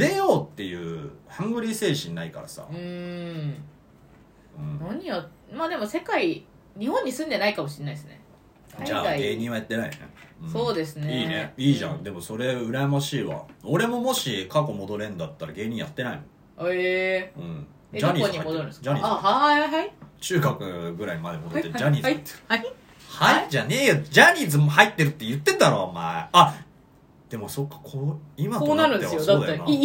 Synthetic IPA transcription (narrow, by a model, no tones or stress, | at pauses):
ɾe̞joːt̪ːe̞jɯ̟ːhãŋɡɯ̟ɾʲise̞ːɕĩnːaikaɾasa̰ɯ̃ | ɯ̟̃ːnaɲ̟ija | maːd̪e̞mo̞se̞kai | ɲ̟ihõ̞ɲ̟ːisɨ̃nd̪enaikamo̞ɕiɲnːaisɨne̞̰ | d͡ʑaːaɡe̞ːɲ̟ĩɰ̃βajat̪ːe̞naḭonḛɯ̃so̞ːd̪e̞s̬ɨniːne̞iːʑã̰nd̪e̞mo̞so̞ɾe̞ɯ̟ɾamaɕiːβa̰o̞ɾe̞mo̞mo̞ɕikako̞mo̞d̪o̞ɾẽ̞nd̪at̪ːaɾaɡe̞ːɲ̟ĩɰ̃ja̰t̪ːe̞naḭno | eɯ̃ɴ | d͡ʑaɲ̟ʲiːzad͡ʑaɲʲḭaat͡ɕɨːɡakɯ̟ɡɯ̟ɾaimad̪e̞mo̞d̪ot̪ːeɯd͡ʑaɲ̟ʲiːzt̪ː | haiʑane̞ːjod͡ʑaɲ̟iːzɨmhait̪ːe̞ɾɯ̟t̪ːejɯ̟t̪ːe̞t̪aɾomaḛa | d̪̥e̞mo̞so̞kːḁkʰoːimaoaɾɯ̃eosːd̪a̰na